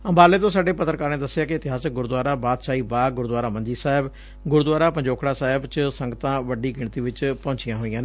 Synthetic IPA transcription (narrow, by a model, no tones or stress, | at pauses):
əmbaːleːt̪õːsaːɖeːpət̪ːəɾkəːɾnẽːd̪əsːɪjaːkɪɪt̪ɪɦaːsək̚ɡʊɾd̪ʊaːɾaːbaːt̪ʃaːiːbaːɡʊɾd̪waːɾaːmə̃ɲd͡ʒiːsaːɪb | ɡʊɾd̪waːɾaːpəɲd͡ʒoːkʰɽaːsaːɦɪbt͡ʃsə̃ŋɡt̪ãːʋəɖiːɡɪɳt̪iːʋɪt͡ʃpɔ̃ːɲt͡ʃɪjãːɦoːijãːneː